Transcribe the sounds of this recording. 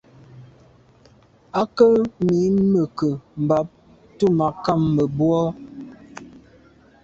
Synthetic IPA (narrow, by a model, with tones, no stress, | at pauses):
a˦kə˦mi˨˦mə˨kə˨m̩˨ba˨˦p̚ | tu˦˨ma˨ka˦˨mːə˨bwɔ˦